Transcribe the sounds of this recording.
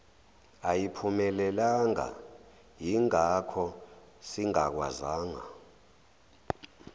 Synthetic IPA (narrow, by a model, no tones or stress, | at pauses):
ajipʰumɛlɛlaŋa̰ | jiŋakʰɔ | siŋa̰k̬wa̰zaːŋa̰